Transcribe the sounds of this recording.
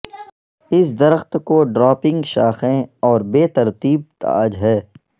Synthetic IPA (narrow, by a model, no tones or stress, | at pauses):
ɪs̬d̪ɐɾəxt̪koɖɾɔːpɪ̃ŋɡʃaːxẽɔːɾbeːt̪ɐɾt̪iːb̚t̪a̰ːd͡ʒɦɛː